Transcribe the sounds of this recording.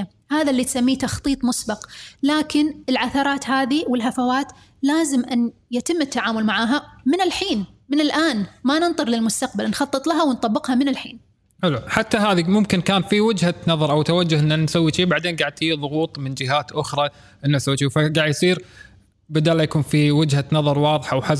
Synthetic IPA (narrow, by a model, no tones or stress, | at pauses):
haːðalːiːt̪samːiːt̪ɑxt̪ˤiːt̪ˤmʊsbɑqlaːkɪnɪlʕaθɑɾˤɑːt̪haːðiwɪlɦafawaːt̪ | laːzɪmʔanjat̪ɪmːɪt̪ːaʕaːmʊlmaʕaːɦamɪnɪlħiːn | mɪnɪlʔaːnmanɪnt̪ˤɨɾlɪlmʊst̪aqbalnxɑt̪ˤːɨt̪ˤlaɦawnt̪ˤɑbːɪqhamɪnɪlħḭːn | ħɪluħat̪ːaɦaːðimʊmkɪnkaːnfiwɪd͡ʒhanɑðˤɑɾˤʔawt̪awad͡ʒːʊhʔɪnːansawːiʃiːbaʕd̪eːnɡaʕd̪fiːðˤʊɣuːt̪ˤmɪnd͡ʒɪɦaːt̪ʔʊxɾˤɑ | ʔɪnːasawːiʃifaɡaːʕjsˤiːɾ | bad̪aːlːajakuːnfiwɪd͡ʒhanɑðˤɑɾˤwɑːðˤħaʔwħa